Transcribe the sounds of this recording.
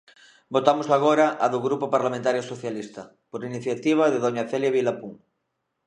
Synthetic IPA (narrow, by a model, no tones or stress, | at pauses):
bot̪amosaɣ̞oɾaʔaðoɣɾupopaɾlamẽnt̪aɾjosoθjalist̪ɐ | poɾiniθjat̪iβ̞aðeðoɲaθeljaβilapuŋ